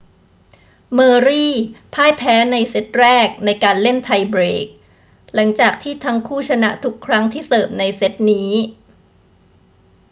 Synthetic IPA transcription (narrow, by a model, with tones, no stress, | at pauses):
mɤː˧ɾiː˥˩pʰaː˥˩jpʰɛː˦˥na˧jse˦˥t̪̚ɾɛː˥˩k̚na˧jkaː˧nle˥˩nt̪ʰa˧jbɾeː˨˩k̚ | la˩˦ŋt͡ɕaː˨˩k̚t̪ʰiː˥˩t̪ʰa˦˥ŋkʰuː˥˩t͡ɕʰa˧na̰˦˥t̪ʰu˦˥kʰːɾa˦˥ŋt̪ʰiː˥˩sɤː˨˩p̚na˧jse˦˥t̪̚niː˦˥